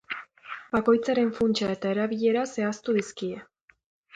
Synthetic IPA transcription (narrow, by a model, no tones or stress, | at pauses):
b̥ako̞jt͡saɾe̞ɱfunt͡ʃae̞t̪ae̞ɾaβiʎe̞ɾase̞ast̪uðiskie̞